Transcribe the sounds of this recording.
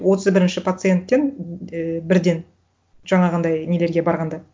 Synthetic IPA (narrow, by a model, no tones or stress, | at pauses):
wo̞t̪ʰəzbɪɾɪnʃɪpʰat̪sɨje̞nt̪ːe̞n | bɪɾd̪e̞n | ʒ̥ɑɴɑʁɑnd̪ɑjne̞le̞ɾɡʲe̞bɑɾʁɑnd̪ɑ